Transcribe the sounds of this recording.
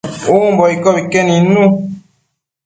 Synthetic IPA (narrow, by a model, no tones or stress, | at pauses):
ombɔikɔbikɛninu